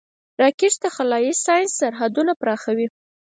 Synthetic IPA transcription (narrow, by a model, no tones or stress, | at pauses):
ɾɑkeʈt̪axalɑjisɑjnsːaɾɦad̪unapɾɑxawi